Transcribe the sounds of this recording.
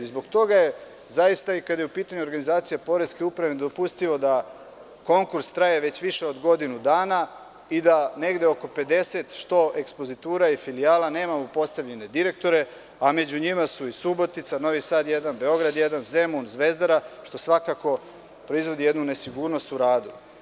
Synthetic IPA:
izbo̞ɡt̪o̞ɡaje̞ | zajist̪aikad̪aje̞upiːt̪aɲuoɾɡanizaːt̪sijapo̞ɾeske̞upɾaʋed̪o̞pust̪iʋo̞d̪a | ko̞ŋkuɾst̪ɾajeʋe̞t͡ɕʋiʃe̞o̞d̪ɡo̞d̪inud̪aːna | id̪ane̞ɡd̪eoko̞pe̞d̪e̞se̞t̪ʃt̪o̞ʔe̞kspo̞zit̪uːɾaifilijaːlane̞ːmamopo̞st̪aʋʎe̞ne̞d̪iɾe̞k̚t̪o̞ɾe̞ | ame̞d͡ʑuɲimasuisubo̞t̪it̪sano̞ʋisaːd̪jed̪anbe̞o̞ɡɾad̪jed̪anze̞munzʋe̞zd̪aɾaʃt̪o̞sʋakako̞ | pɾo̞izʋo̞d̪ije̞d̪nune̞siɡuːɾno̞st̪uɾaːd̪u

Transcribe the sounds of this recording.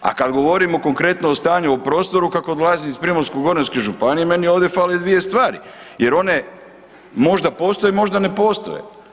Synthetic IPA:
a̰kad̪ɡo̞ʋo̞ɾimoko̞ŋkɾe̞t̪noost̪aːɲuopɾo̞ːst̪o̞ɾukakod̪lˠaːziispɾimonskuɡo̞ɾenskeʒupanijeme̞nio̞ːʋd̪ʲefaːled̪ʋije̞st̪ʋaːɾḭ | je̞ɾo̞ne | mo̞ʒd̪apo̞ːst̪ojemo̞ʒd̪ane̞po̞ːst̪o̞̰jḛ

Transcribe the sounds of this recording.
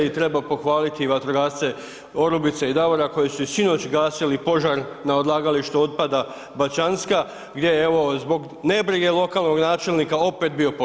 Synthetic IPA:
it̪ɾe̞bapo̞xʋaːlit̪iʋat̪ɾoɡaːt̪se̞ | o̞ɾubit̪seid̪aʋoɾako̞jisuisino̞t͡ɕɡaːsilipo̞ʒaɾ | naod̪lˠaːɡaliʃt̪uo̞t̪̚pad̪a | bat͡ʃanska | ɡd̪je̞jeeʋo̞zbo̞ɡ | ne̞bɾiɡe̞lˠo̞kalˠno̞ɡnaːt͡ʃe̞lnikao̞pet̪̚bio̞po

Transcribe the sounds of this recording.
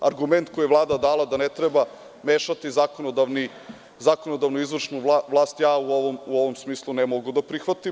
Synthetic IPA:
aɾɡume̞nt̪koijeʋlˠaːd̪ad̪aːlˠad̪anet̪ɾeba | meːʃat̪izakonod̪aʋni | zakonod̪aʋnoizʋr̩ʃnuʋlˠaːst̪jaːuoʋomuoʋomsmiːslˠunemoɡud̪apɾixʋat̪im

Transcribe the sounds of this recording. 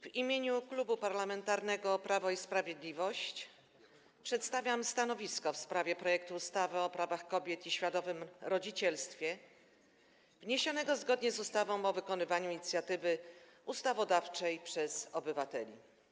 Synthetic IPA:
v̥imʲjeɲuklubupaɾlamɛnt̪aɾnɛɡɔːpɾavɔispɾavʲjed̪lʲivɔɕt͡ɕ | pʂɛt̪st̪avʲjamst̪anɔvʲiskɔfspɾavʲjɛpɾɔjɛk̚t̪uːst̪avɘɔpɾavaxkɔbʲjɛt̪iɕfʲjad̪ɔvɘmɾɔd͡ʑit͡ɕɛlst̪fʲjɛ | vɲeɕɔnɛɡɔzɡɔd̪ɲɛzust̪avɔ̃w̃ɔvɘkɔnɘvaɲuiɲit̪sjat̪ɘvɘust̪avɔd̪aft͡ʂɛjpʂɛzɔbɘvat̪ɛlʲḭ

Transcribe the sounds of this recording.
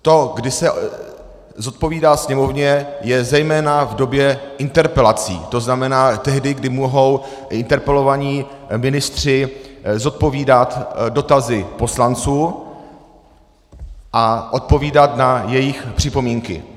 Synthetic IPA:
t̪o̞ɡdɪsɛ | zo̞t̪̚po̞viːdaːsɲɛmo̞vɲɛjɛzɛjmɛːnavdo̞bjɛʔɪnt̪ɛɾpɛlat͡sḭːt̪o̞znamɛnaːt̪ɛɦdɪɡdɪmuɦo̞w | ʔɪnt̪ɛɾpɛlo̞vaɲiː | mɪnɪst̪r̝̥ɪzo̞t̪̚po̞viːdat̪do̞t̪azɪpo̞slant͡suː | ʔaʔo̞t̪̚po̞viːdat̪najɛjɪxpr̝̥ɪpo̞miːŋkɪ̰

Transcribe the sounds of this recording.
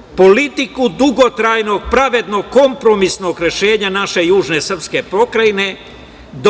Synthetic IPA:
po̞lit̪ikud̪uɡo̞t̪ɾajno̞ɡ̚pɾaʋe̞d̪no̞ɡko̞mpɾo̞misno̞ɡɾe̞ʃe̞ːɲanaʃe̞juːʒne̞sr̩pske̞pɾo̞kɾajine̞ | d̪

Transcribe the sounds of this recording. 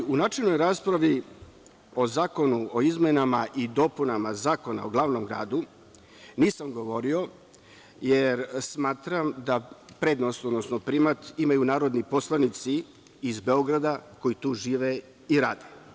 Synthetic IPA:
unaːt͡ʃelnojɾaːspɾaʋi | o̞zaːko̞nuoizmenamaʔid̪o̞punamazaːko̞na̰oɡlˠaːʋnomɡɾa̰ːd̪u | niːsamɡo̞ʋo̞ɾio̞ | jeɾsmaːt̪ɾamd̪apɾeːd̪nost̪od̪nosnopɾimat̪imajunaːɾo̞d̪nipo̞slˠanit̪siː | zbe̞o̞ɡɾad̪ako̞jit̪uːʒiːʋe | iɾaːd̪e̥

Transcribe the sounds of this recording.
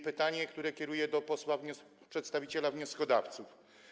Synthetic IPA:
pɘt̪aɲɛkt̪uɾɛkʲjɛɾujɛd̪ɔpɔswavɲ | pʂɛt̪st̪avʲit͡ɕɛlavɲɔskɔd̪aft̪suf

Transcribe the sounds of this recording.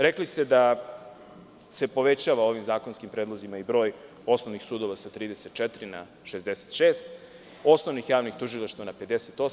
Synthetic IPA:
ɾeklist̪e̞d̪a | se̞po̞ʋe̞t͡ɕaʋao̞ʋimzaːko̞nskimpɾed̪lˠozimaibɾo̞ːj | o̞sno̞ʋnixsuːd̪o̞ʋasat̪ɾiːd̪e̞set̪̚t͡ʃɛt̪ɾina̰ | ʃezd̪ese̥t̪ʃeːst̪ | o̞snoʋnixjaːʋnixt̪uʒilˠaʃt̪vanape̞d̪eset̪o̞s

